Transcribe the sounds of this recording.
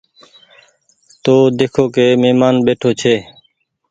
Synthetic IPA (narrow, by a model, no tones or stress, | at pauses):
t̪oːd̪eːkʰoːkeːmeːmaːnbeːʈʰoːt͡ʃʰeː